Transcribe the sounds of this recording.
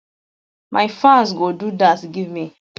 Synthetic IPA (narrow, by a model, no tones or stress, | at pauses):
mʔajfãnsɡodudasɡivmi